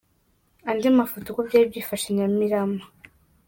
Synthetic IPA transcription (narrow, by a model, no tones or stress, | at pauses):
andimafotukobɟaːb̚ɟiːfaʃaɲamiɾama